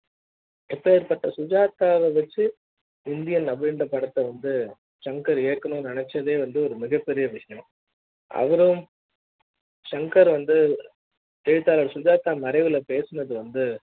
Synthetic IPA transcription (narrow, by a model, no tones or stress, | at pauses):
ɪpːeːɪɾpɐʈːɐsʊd͡ʒaːt̪ːaːʋɐʋɐt͡ʃːɯ | ɪnd̪ɪjɐnɐbɾɪɳɖɐpɐɽɐt̪ːɐʋɐnd̪ɯ | ʂɐŋkɐɾeːkːɐɳʊ̃nɪɳɛt͡ʃːɐðeːʋɐnd̪ɯɔɾɯmɪɣɐpːɛɾɪjɐʋɪʂɐjɐ̃ | ʔɐ̰ʋɐɾɯm | ʂɐŋkɐɾʋɐnd̪ɯ | t̪ɛɻɯt̪ːaːlɐɽsʊd͡ʒaːt̪aːmɐɾɐɪʋɪlɐpeːsɐnɐðɯʋɐnd̪ɯ